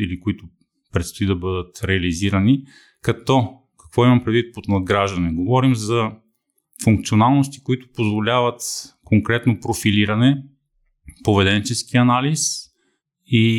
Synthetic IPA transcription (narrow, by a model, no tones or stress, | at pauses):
ilikʊit̪ʊ | pɾɛt̪st̪oid̪ɐbɤd̪ət̪ɾɛɐliziɾɐni | kɐt̪ɔ | kɐ̥kvɔimɐmpɾɛd̪vit̪̚pot̪nɐd̪̚ɡɾaʒd̪ɐnɛɡovɔɾimzɐ | fuŋk̚t̪sionalˠnos̬t̪i̥kʊit̪ʊ̥pozvolʲavət̪koŋkɾɛt̪nopɾofiliɾɐnɛ | povɛd̪ɛnt͡ʃɛskiɐnalis | i